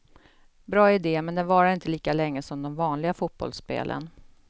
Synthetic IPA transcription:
bɾɑːɪd̪eːmɛnd̪ɛnvɑːɾaɾɪnt̪əliːkalɛŋːəsɔmd̪ɔmvɑːnlɪɡafut̪̚b̥ɔ̰lspḛːlʔə̰n

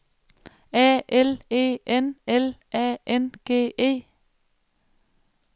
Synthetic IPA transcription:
æːʔɛleːʔɛnɛlʔæːʔɛnɡ̥eːʔeː

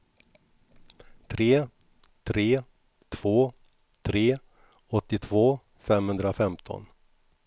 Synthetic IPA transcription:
t̪ʰɾeː | t̪ʰɾeː | t̪ʰv̥oː | t̪ʰɾeː | ɔt̪ːɪt̪ʰvoː | fɛmhɵnd̪ɾafɛmt̪ʰɔ̰n

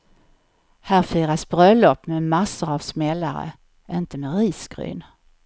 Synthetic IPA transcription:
hæːɾfiːɾasb̥ɾœlːɔpːmɛmasːəɾavsmɛlːaɾə̰ | ʔɪnt̪əmɛɾiːsɡ̥ɾy̰ːn

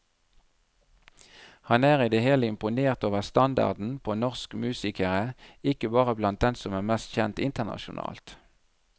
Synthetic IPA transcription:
hɑnæːʁɪd̪eheːləɪmpʊneːʁt̪oːʋəʁst̪ɑnd̪ɑ̰ʁd̪n̩pʰoːnɔʁskmʉːsɪkəʁəɪkəbɑːʁəblɑnt̪̚d̪ɛnsɔmæːʁmɛst̪çɛnt̪ɪnt̪əʁnɑ̰ʃʊ̰nɑ̰ːlt̪

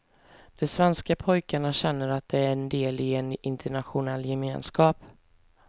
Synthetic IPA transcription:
d̪̥ɛsvɛnskapʰɔjkaɳaɕɛnːəɾat̪̚d̪̥ɛæɾɛnd̪eːlɪɛnɪnt̪ʰəɳaɧʊnɛlːjɛmeːnskɑːp

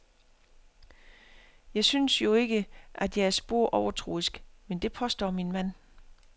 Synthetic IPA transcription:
jɑ̈ɪsynsjo̝e̝ɡ̥əʔæd̥jɑ̈ɪæɐsb̥o̝ɐ̰ʔɒʊɐt͡sʰʁo̰ːisɡ̥mend̥e̝pʰɒ̽sd̥ɒ̰ːminmæn̰

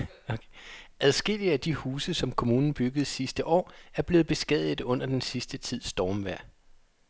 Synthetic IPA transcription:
ʔæðˠsɡ̥e̝l̰iəæd̥ihuːsəsɒ̽mkʰo̝muːnn̩b̥yɡ̥əð̞̩ˠsisd̥əʔɒ̰ːæɐb̥le̝ːð̩ˠb̥e̝sɡ̥ɛ̰ð̰ˠð̩ˠɔ̽n̰ɐd̥ensisd̥ət͡sʰið̞̰ˠsd̥ɒːmʋæɐ̰

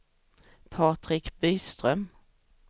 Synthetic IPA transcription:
pʰɑːt̪ɾɪkb̥yːst̪ɾœm

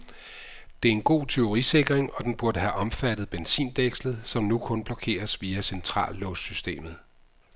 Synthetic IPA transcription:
d̥e̝æɐe̝nɡ̥o̝̰ːt͡sʰe̝o̝ʁise̝ɡ̥ʁeŋɒ̽d̥enb̥uɐd̥əɦæʔɒ̽mfæd̥ð̞̩ˠb̥ensḭːnd̥eɡ̥slð̩ˠsɒ̽mnukʰɔ̽nb̥lɒ̽kʰe̝̰ːɐsʋiːæsent͡sʰʁɑ̰̈ːlːɔsysd̥e̝̰ːmð̞̩ˠ

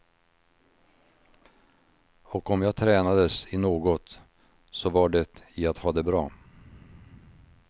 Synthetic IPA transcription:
ɔkɔmjaːɡt̪ʰɾɛːnad̪əsɪnoːɡɔt̪ | sɔvaɖɛt̪ɪat̪hɑːd̪ɛbɾɑː

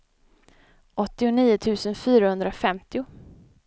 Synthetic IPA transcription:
ʔɔt̪ːɪʊniːʊt̪ʰʉ̟ːsənfyːɾahɵnd̪ɾafɛmt̪ɪʊ

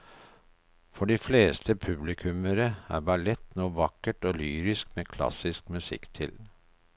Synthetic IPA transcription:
fɔɖiːfleːst̪ʰəpʰʉblɪkʰʉməɾəæ̰ːɾbɑɭɛt̪nuːʋɑkəʈoːlyːɾɪskmeːkʰlɑ̰sɪskmʉsɪ̰kt̪ʰɪl

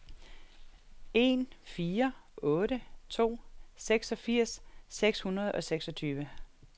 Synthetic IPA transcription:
e̝nfiːɐɔ̽ːɾət͡sʰo̝̰ːseɡ̥sɒ̽fiɐ̰sːeɡ̥shunɐð̞ˠɒ̽seɡ̥sɒ̽t͡sʰyːʋə

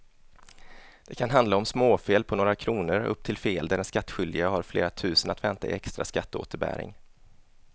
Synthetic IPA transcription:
d̪̥ɛkʰanɦand̪laɔmsmoːfeːlpʰɔnoːɾakʰɾuːnəɾɵ̰p̚ːt̪ʰɪlfeːld̪æɾɛnskat̪ːɧʏld̪ɪɡahaɾflḛːɾat̪ʰʉ̟ːsənat̪vɛnt̪ʰaɪ̰ɛkst̪ɾa̰skat̪ːo̰ːt̪əɾbæ̰ːɾɪ̰ŋ

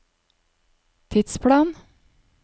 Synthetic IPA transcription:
t̪ʰɪt̪spʰlɑːn

